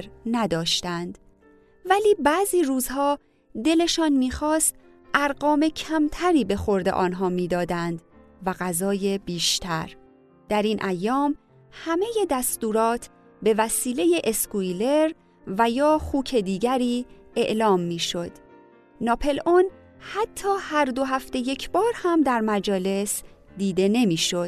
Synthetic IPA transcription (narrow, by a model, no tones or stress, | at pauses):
ɾnæd̪ɒːʃt̪ænd̪ | væliːbæːziːɾuːzhɒː | d̪e̞le̞ʃɒːnmiːxɒːst̪ | ʔæɾɢɒːme̞cʰæmt̪ʰæɾiːbe̞xo̞ɾd̪e̞ʔɒːnɦɒːmiːd̪ɒːd̪ænd̪ | væɣæzɒːje̞biːʃt̪ʰæɾ | d̪̥æɾiːnʔæjːɒːm | hæme̞je̞d̪æst̪uːɾɒːt̪ʰ | be̞væsiːle̞je̞ʔeskujle̞ɾ | væjɒːxuːcʰe̞d̪iːɟæɾiː | e̞̰ʔlɒːmːiːʃo̞d̪̥ | nɒːpʰe̞lon | hæt̪ʰːɒːhæɾd̪o̞ɦæft̪e̞je̞cʰbɒːɾhæmd̪æɾmæd͡ʒɒːle̞sd̪iːd̪e̞ne̞miːʃo̞d̪